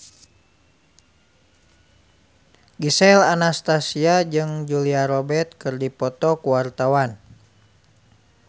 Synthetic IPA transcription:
ɡisɛlanast̪asiad͡ʒɨŋd͡ʒuliaɾɔbɛt̪̚kɨrdipɔt̪ɔkuwart̪awan

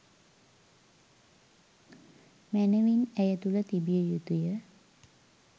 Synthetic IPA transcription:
mæneʋinæjət̪ulət̪ibijəjut̪ujə

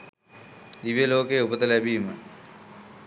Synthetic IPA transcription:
d̪iʋijɐloːkeːupɐt̪ɐlɐbʱiːmɨ

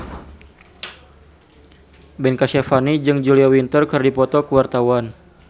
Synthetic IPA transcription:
bɛnkasɛfanid͡ʒɨŋd͡ʒuliawint̪ərkɨrdipɔt̪ɔkəwart̪awan

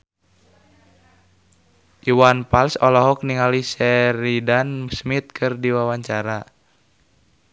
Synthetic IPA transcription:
ʔiwanpalsɔlɔɦɔk̚niŋalisɛɾidansmit̪̚kʰɨrdiwawaɲt͡ʃaɾa

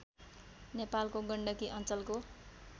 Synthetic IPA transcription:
nepalkoɡʌɳɖʌkiʔʌnt͡sʌlko

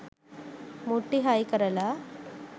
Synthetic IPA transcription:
muʈːiɦajkɐɾɐla

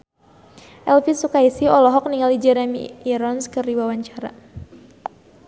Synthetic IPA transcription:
ʔɛlfisukaisiɔlɔɦɔk̚niŋalid͡ʒɛɾɛmḭːɾɔnskɨrdiwawaɲt͡ʃaɾa̰

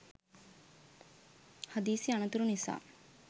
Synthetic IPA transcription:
had̪iːsianut̪uɾunisa̰ː

